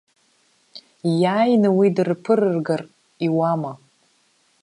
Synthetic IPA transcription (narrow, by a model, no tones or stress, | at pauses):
jaːjnɨwidɨrpʰɨɾɨrɡar | iwama